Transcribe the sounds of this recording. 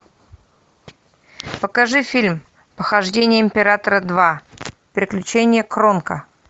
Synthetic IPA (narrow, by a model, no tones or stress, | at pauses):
pəkɐʐɨfʲilʲm | pəxɐʐdʲenʲɪjəɪmʲpʲɪɾat̪əɾəd̪va | pʲɾʲɪklʲʉt͡ɕenʲɪjəkɾo̞nkə